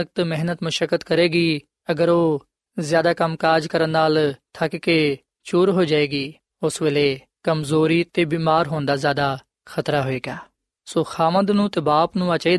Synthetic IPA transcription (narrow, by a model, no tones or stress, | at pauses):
ək̚t̪mɪɦnət̪məʃəkət̪kəɾeːɡiː | əɡəɾoː | zjaːd̪aːkəmkaːd͡ʒkəɾənːaːlt̪ʰakkeː | t͡ʃuːɾɦoːd͡ʒaːeːɡiː | ʊsʋeleː | kəmzoːɾiːt̪eːbiːmaːɾɦoːnd̪aːzjaːd̪aː | xʰət̪ɾaːɦoːeːɡaː | soːxaːʋə̃nd̪nũːt̪eːbaːpnũːat͡ʃəiː